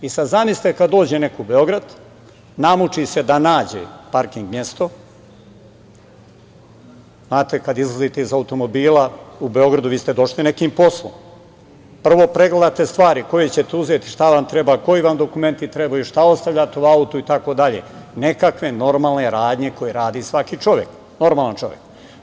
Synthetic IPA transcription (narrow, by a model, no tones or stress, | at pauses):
isazamisit̪ekad̪ːo̞ːd͡ʑene̞koubeo̞ɡɾad̪ | namut͡ʃise̞d̪anaːd͡ʑḛpaɾkiŋɡmjest̪o̞ | znaːt̪ekad̪izlˠazit̪eizaut̪o̞mo̞biːlaube̞o̞ɡɾad̪uʋiːst̪ed̪o̞ʃline̞kiːmpo̞slˠo̰m | pr̩ʋo̞pɾe̞ɡle̞d̪at̪e̞st̪ʋaːɾiko̞jet͡ɕe̞t̪euze̞t̪i̥ʃt̪aʋamt̪ɾebaːko̞iʋamd̪okume̞nt̪it̪ɾebajuʃt̪ao̞st̪aʋʎaːt̪euaut̪uit̪ako̞d̪aʎe̞̰ne̞kakʋe̞no̞ɾmaːlˠne̞ɾaːd̪ɲe̞ko̞jeɾaːd̪isʋakit͡ʃo̞ʋjek | no̞ɾmaːlˠant͡ʃo̞ʋjek